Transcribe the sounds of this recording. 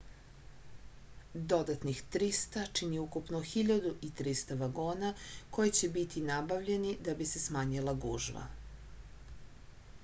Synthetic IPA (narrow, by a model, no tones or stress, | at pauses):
d̪o̞d̪at̪nixt̪ɾist̪at͡ʃiniukupnoxiʎad̪uʔit̪ɾist̪aʋaɡoːnako̞jit͡ɕebit̪ʰinabaʋʎe̞nid̪abise̞smaːɲilaɡuːʒʋa̰